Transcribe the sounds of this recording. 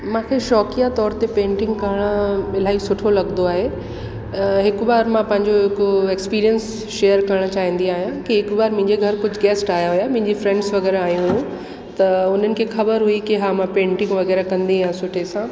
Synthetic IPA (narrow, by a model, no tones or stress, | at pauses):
mãːkʰeʃɔːkijat̪ɔːɾt̪epẽːɳʈɪ̃ŋɡkɐɾəɽ̃aɪl̤aːɦisʊʈʰolɐɡnd̪oaːɦe | ɦɪkʊbaːɾmãpɐ̃ɦɪ̃ɲd͡ʑoɦɪkoɛkspiːɾijəns | ʃeːəɾkɐɾəɽ̃t͡ɕaːɦĩːn̆d̪iaːɦijãkiɦɪkbaːɾmɪ̃ɦɪ̃ɲd͡ʑeɡʱɐɾkʊd͡ʑʱɡɛːsʈaːɦjaɦʊjamɐ̃ɦɪ̃ɲd͡ʑifɾɛ̃ɳɖsʋɐɣɛːɾaaːɦijũɦjũ | t̪ɐʊn̤ənɪ̆kʰeːxɐbəɾɦʊikiɦaːmãpẽːɳʈɪ̃ŋɡʋɐɣɛːɾakɐ̃nd̪ijãsʊʈʰesãː